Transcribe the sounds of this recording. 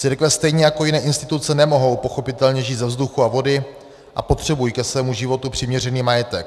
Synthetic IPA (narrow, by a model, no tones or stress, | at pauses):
t͡siɾkvɛst̪ɛjɲɛjako̞jɪnɛːʔɪnst̪ɪt̪ut͡sɛnɛmo̞ɦo̞wpo̞xo̞pɪt̪ɛlɲɛʒiːt̪zɛvzduxuavo̞dɪ | ʔa̰po̞t̪r̝̥ɛbujikɛsvɛːmuʒɪvo̞t̪upr̝̥ɪmɲɛr̝ɛniːmajɛt̪ɛk̚